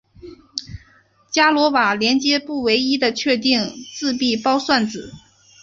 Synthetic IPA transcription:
t͡ɕja˥lwɔ˧˥wa˨˩ljɛ˧˥nt͡ɕjɛ˥pu˥˩we˧˥ɪi˥d̪ə˨t͡ɕʰɥɛ˥˧t̪i˥˧ŋt͡sɹ̩˥˧pi˥˩pɑ˥ʊswa˥˩nt͡sɹ̩˨˩˦

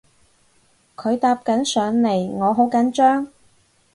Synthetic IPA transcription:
kʰɵ˨˧ɥt̪aː˧p̚kɐ˨˥nsœː˨˧ŋle˨˩jŋɔː˨˧ɦo˨˥wkɐ˨˥nt͡ʃœː˥ŋ

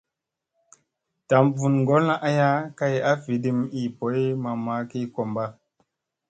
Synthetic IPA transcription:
ta˨˦mvu˨nŋɡo˦la˦ʔa˦ja˦ka˦ja˦vi˨di˨mi˨po˨˦jma˨ma˨˦ki˦ko˨mba˦

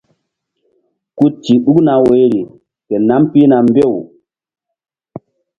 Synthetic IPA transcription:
ku˦ti˨ɗu˦kna˨we˨˦ɾi˨ | ke˨na˦mpi˦na˨mbe˦˨w

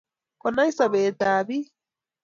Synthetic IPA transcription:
kɔ˨na˦isa˨βeː˨taːβi˦

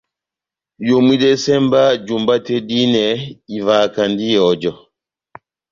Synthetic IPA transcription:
jo˨mwi˦dɛ˦sɛ˦mba˦d͡ʒu˨mba˦tɛ˦di˦nɛ˨i˨va˨ka˨ndi˦jɔ˨d͡ʒɔ˨

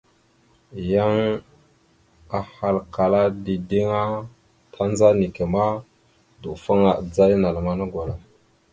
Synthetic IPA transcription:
ja˦ŋ | a˨ha˨lka˨la˦di˨di˦ŋa˦ | tʰa˦nd͡za˦ni˨ke˨ma˦ | du˨fa˦ŋa˨d͡za˦jna˨lma˦na˦ɡʷa˨la˨

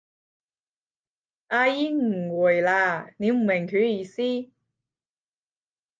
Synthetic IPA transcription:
ʔaː˧jiː˥ŋ̩˨˩wuː˨˩jlaː˧ne˨˧m̩˨˩mɪ˨˩ŋkʰyː˨˥jiː˧˥siː˥

